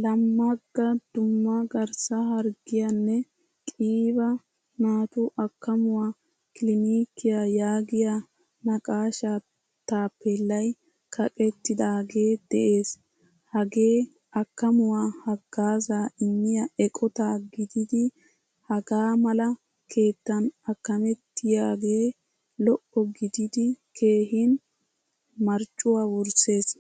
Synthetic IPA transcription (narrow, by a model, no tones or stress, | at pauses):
lɐmːɐɡːɐd̪ʊmːɐɡɐɾsɐhɐɾɡɪjanːɛ | kʼiːbɐ | naːt̪ʊʔɐkːɐmʊwaː | kɪlɪniːkːɪjajaːɡɪja | nɐkʼaːʃaː | t̪aːpːɛlːɐj | kʰɐkʼɛt̪ːɪd̪aːɡe̞ːd̪̥ɛʔe̞ːs | hɐɡe̞ː | ɐkːɐmʊwaːhɐɡ̥ːaːzaːɪnːɪjɐɛkʼɔt̪aːɡɪd̪ɪd̪ɪ | hɐɡaːmɐlɐ | kʰe̞ːt̪ːɐnɐkːɐmɛt̪ːɪjaːɡe̞ː | lɔʔɔɡɪd̪ɪd̪ɪkʰe̞ːɦɪn | mɐɾt͡ʃʼːʊwaːwʊɾse̞ːs